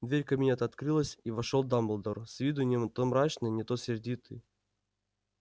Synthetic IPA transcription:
d̪vʲeɾʲkəbʲɪnʲet̪ɐɐt̪kɾɨlˠəsʲivɐʂolˠd̪amblˠd̪orsʲvʲid̪unʲɪmt̪omɾat͡ɕnɨjnʲɪt̪osʲɪrdʲit̪ʰɨ̰j

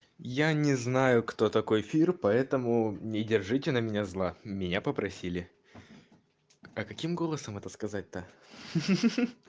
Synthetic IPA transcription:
janʲɪznajʊkt̪o̞t̪ɐko̞jfʲirpɐɛt̪əmʊnʲɪdʲɪrʐɨtʲɪnəmʲɪnʲazlˠamʲɪnʲapəpɾʔɐsʲilʲɪ | ɐkɐkʲimɡo̞lˠəsəmɛt̪əskɐzat̚ʲt̪a

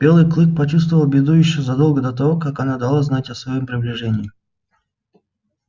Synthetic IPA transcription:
bʲe̞lˠɨjklˠɨk̚pɐt͡ɕust̪vəvəlˠbʲɪd̪ujɪɕːozɐd̪o̞lˠɡəd̪ət̪ɐvo̞kakɐnad̪ɐlˠaznatʲɐsvɐjompɾʲɪblʲɪʐɛnʲɪɪ

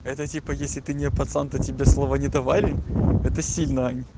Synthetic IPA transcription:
ɛt̪ətʲipəjesʲlʲɪt̪ɨnʲɪɐpɐt̪sant̪ətʲɪbʲeslˠovənʲɪd̪ɐvalʲɪɛt̪əsʲilʲnəɐnʲi

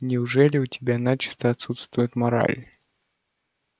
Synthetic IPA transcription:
nʲɪʊʐɛlʲɪʊtʲɪbʲanat͡ɕɪ̥st̪əɐt̪sut̪st̪vʊjɪt̪mɐɾa̰lʲ

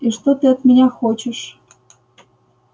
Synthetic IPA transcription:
iʃt̪ot̪ɨət̪mʲinʲɑxot͡ɕə̆ʃ

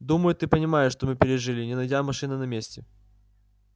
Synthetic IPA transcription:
d̪uməjʊt̪ɨpənʲɪmajʊʂt̪omɨpʲɪɾʲɪʐɨlʲɪnʲɪnɐjdʲamɐʂɨnɨnɐmʲesʲtʲɪ

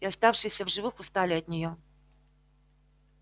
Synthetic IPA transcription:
iɐst̪afʂɨjsʲɐvʐɨvɨxʊst̪alʲɪɐt̪̚ʲnʲɪjo

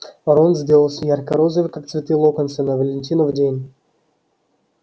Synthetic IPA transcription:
ɾonzʲdʲelˠəlˠsʲəjarkəɾozəvʲəkak̚t̪svʲɪt̪ɨlˠokənsənəvəlʲɪnʲtʲinəvdʲenʲ

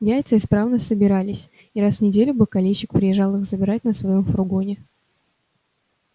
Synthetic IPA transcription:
jʲæjt̪sɨɪspɾavnəsəbʲɪɾalʲɪsʲ | iɾasvnʲɪdʲelʲʊbɨkɐlʲejɕːɪk̚pɾʲɪjɪʐɑlˠɨxzəbʲɪɾat̚ʲnəsvɐjo̞mfɾʊɡonʲɪ

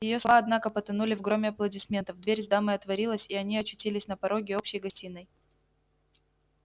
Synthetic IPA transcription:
jɪjosˠvaɐd̪nakəpət̪ɨnulʲɪvɡɾomʲɪɐplˠədʲɪsmʲe̞nt̪əvd̪vʲeɾʲzd̪aməjɐt̪vɐɾʲilˠəsʲiɐnʲiɐt͡ɕʏ̥tʲilʲɪsʲnəpɐɾo̞ɡʲɪo̞pɕːɪjɡɐsʲtʲinːəj

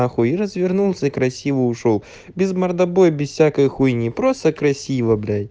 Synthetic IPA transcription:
axuiɾɐzʲvʲɪrnulˠsʲɐikɾasʲivɨuʂɔw | bʲɛzmɐrd̪abɔjbʲɛssʲakɐjxujnʲipɾɔst̪ɐkɾasʲivɐblʲaj

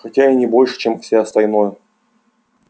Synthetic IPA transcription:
xatʲainʲɪbo̞lʲʂɨ̥t͡ɕemfsʲeɐst̪ɐlʲnojə

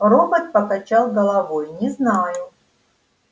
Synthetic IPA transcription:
robɐt̪̚pɐkɐt͡ɕalˠɡɐlˠɐvojnʲɪznajʊ

